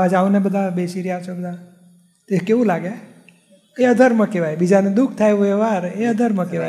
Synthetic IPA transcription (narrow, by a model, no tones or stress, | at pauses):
ad͡ʒaũnebəd̪ʱabesiɾiaʋt͡ʃʰobəd̪ʱa | t̪ekeʋũlaɡe | eəd̪ʱəɾmə̃keʋajbid͡ʒanũd̪ukʰt̪ʰajoeʋaɾeəd̪ʱəɾmə̃keʋa